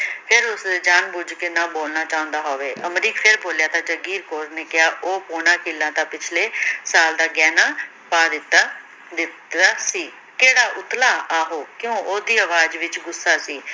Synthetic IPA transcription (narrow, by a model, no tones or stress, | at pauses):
pʰɪɾʊsd̪eːd͡ʒaːnbʊd͡ʒkenãːboːlnaːt͡ʃaːʊ̃nd̪aːɦoːʋeːʔəmɾiːkpʰɪɾboːljaːt̪ãːd͡ʒəɡiːɾkoːɾneːkɪjaːʔoːpoːnãːkɪlːãːt̪ãːpɪt͡ʃʰleːsaːld̪aːɡɛːnaː | paːd̪ɪt̪ːaː | d̪ɪt̪aːsiː | keːɽaːʔʊt̪laːaːɦoːkjõːʔoːd̪iːəʋaːd͡ʒʋɪt͡ʃɡʊsːaːsiː